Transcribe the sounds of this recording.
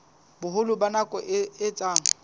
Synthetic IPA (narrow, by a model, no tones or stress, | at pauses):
bʊɦʊlʊbanakʼɔʔɪt͡sʼaːŋ̩